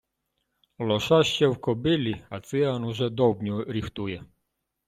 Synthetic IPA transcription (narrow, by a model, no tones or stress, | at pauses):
lɔʃaʃt͡ɕɛwkɔbilʲiat̪sianuʒɛd̪ɔbɲuɾift̪ujɛ